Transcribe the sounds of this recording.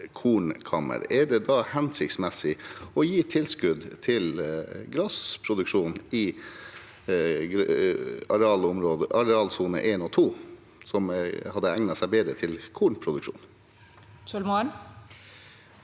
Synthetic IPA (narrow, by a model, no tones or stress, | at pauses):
kʰuːɳkʰɑmə̰ɾɛɖɛd̪ɑhɛnsɪkt̪smɛsɪɔjiːt̪ʰɪlskʉd̪t̪ʰɪlɡɾɑspʰɾʊd̪ʉkʂuːnɪ | ɡɾɑɾɛɑːlʊmɾoːd̪əʔɑɾɛɑːlsuːnə̰ʔeːnɔːt̪ʰuː | sɔmhɑd̪ːəæŋnɑsæɪbeːd̪ɾət̪ʰɪlkʰuːɳpʰɾʊd̪ʉkʂṵːn | sɔlmoɳ